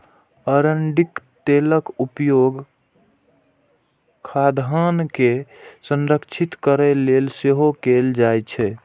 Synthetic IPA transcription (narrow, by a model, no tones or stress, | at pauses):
əɾəɳɖikt̪eləkupjoɡ | kʰad̪ʱɦankesənɾəkt͡ʃʰit̪kəɾɛlelseɦokeld͡ʒajt͡ʃʰɛ